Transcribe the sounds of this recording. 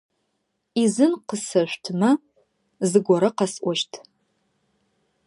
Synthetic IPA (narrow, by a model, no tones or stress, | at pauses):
izɨnqəsɐʃʷtʰmɐ | zɨɡʷɔɾɐqɐsʔʷɔʃtʰ